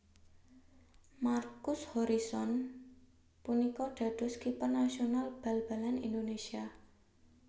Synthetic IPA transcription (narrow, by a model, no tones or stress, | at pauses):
markʊshoɾisɔn | punikɔɖ̥a̤d̪̥ɔ̤skipərnːasionalb̥alb̥alanind̪onesia